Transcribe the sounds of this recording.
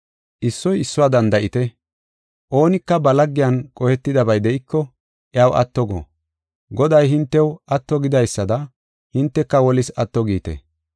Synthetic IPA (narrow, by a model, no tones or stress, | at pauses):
ʔɪsːɔjɪsːʊwaːd̪ɐnd̪ɐʔɪt̪ɛ | ʔo̞ːnɪkːɐbɐlɐɡːɪjɐnkʼɔhɛt̪ːɪd̪ɐbɐjd̪ɛʔɪkːɔ | ʔɛawʔɐ̰t̪ːɔɡɔ̰ | ɡɔd̪ɐjhɪnt̪ːɛwɐt̪ːɔɡɪd̪ɐjsːɐd̪ɐ | hɪnt̪ːɛkːɐwɔlɪsɐt̪ːɔɡiːt̪ɛ̰